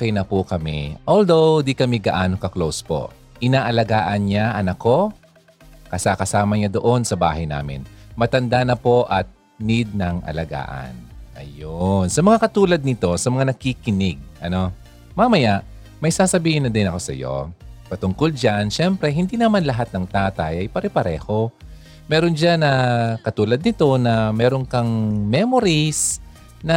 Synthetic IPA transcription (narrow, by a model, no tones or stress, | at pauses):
okɛjnɐpukɐmɛ̰ʔold̪o̞wd̪ikɐmɛɡɐʔaːno̞kɐklowspo̞̰ | ʔɪnaːʔɐlɐɡaːʔɐnɲaʔɐnɐko̞ | kɐsakɐsaːmɐɲad̪oʔo̞nsɐba̰ːhɐjna̰ːmɪ̰nmɐt̪ɐnd̪anɐpo̞ʔɐt̪̚ | nɪd̪̚nɐŋʔɐ̰lɐɡa̰ːʔɐ̰nʔɐ̰jonsɐmɐŋakɐt̪uːlɐd̪̚nɪt̪o̞sɐmɐŋanɐkikɪnɪɡ̚ʔɐno̞ | maːmɐjaʔ | mɐjsaːsɐbiːhɪnɐd̪ɪnɐko̞sɐ̰jo̞̰pɐt̪ʊŋko̞ld͡ʒanʃɛmpɾɛɦɪnd̪iːnɐmanlɐɦat̪̚nɐŋt̪aːt̪ɐjɐjpɐɾɛpɐɾɛ̰ːho̞ | mɛːɾo̞nd͡ʒanɐkɐt̪uːlɐd̪̚nɪt̪o̞nɐmɛːɾo̞ŋkɐŋmɛmoɾis | nɐ